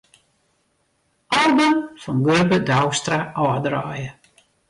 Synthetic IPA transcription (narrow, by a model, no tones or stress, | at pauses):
ʔɔlˠbəmfɔnɡørbədawstraʔɔdrɔjə